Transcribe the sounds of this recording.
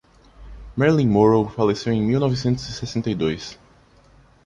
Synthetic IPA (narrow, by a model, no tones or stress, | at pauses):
mɛɾlĩmoɹowfalesewẽj̃miwnɔvisẽnt̪ʊzisesẽnt̪ɐjd̪ojs